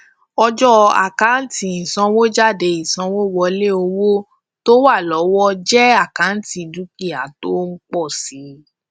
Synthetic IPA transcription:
ɔ˧d͡ʒɔ˦a̰˨ka˨˦n̩˦ti˨ĩ˨sã˧wo˦d͡ʒa˦˨de˨˧ĩ˨sã˧wo˦wɔ˧le˦o˧wo˦ | to˦wa˦˨lɔ˨˦wɔ˦d͡ʒɛ˦a˦˨ka˨˦n̩˦ti˧du˨˦ki˦˨a˨to˦ŋ̩˦k͡pɔ˦˨si˨˦

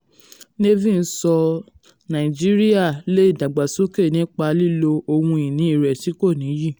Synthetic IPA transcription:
ne˦vĩ˦˨n̩˦sɔ˧ | nã˨i˨d͡ʒi˦ɾi˦a˦˨le˦i˦˨da˨ɡ͡ba˨so˨˦ke˦˨nĩ˨˦k͡pa˧li˦lo˧o˧wũ˧ĩ˨nĩ˨˦i˦˨ɾɛ˨ti˨˦ko˦˨nĩ˨˦ji˦˨

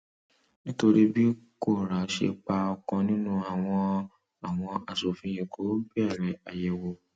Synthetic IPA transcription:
nĩ˦to˦ɾi˦bi˦e˦ko˦˨ɾa˨˦ʃḛ˨k͡pa˦ɔ˨kɔ̃˧nʊ̃˦nũ˦a˨wɔ̃˦ | a˨w̃ɔ̃˦a˨so˨fĩ˦jẽ˨kʰo˨˦bi˦ɛ˦˨ɾe˨a˨jɛ˨wo˦

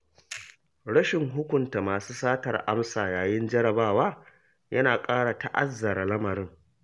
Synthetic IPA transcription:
ɽɐ˦ʃɪ˨ŋɦʊ˦kʷʊ˨nta˨maː˨suː˦saː˦tɐ˨rʔa˦msaː˨jaː˨jɪ˦nd͡ʒɐ˦ɽɐ˨baː˦˨waː˦ | jɐ˦naː˨kʼaː˦ɽa˨ta˨ʔa˦zːɐ˨ɾa˨lɐ˦mɐ˨ɾɪ˦ŋ

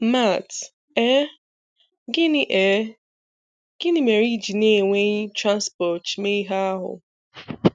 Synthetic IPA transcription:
ma˦˨t | ɛ˦ | ɡɪ˦nɪ˦ʔɛ˨˦ | ɡ̥ɪ˦nɪ˦me˨ɾi˦d͡ʒi˨ne˦˨ŋʷe˦ɲ˦tɾa˦nspɔ˨tme˦i˦ɦa˦a˦ɦʊ̰˨

